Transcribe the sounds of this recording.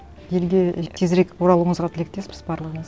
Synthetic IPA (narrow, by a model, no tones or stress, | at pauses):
je̞lɡʲe̞t̪ʲʰezɾe̞kʲwoɾɑlˠəɴəzʁɑt̪ʰɪlek̚t̪e̞spɪ̥zbɑɾlˠəʁəɴəz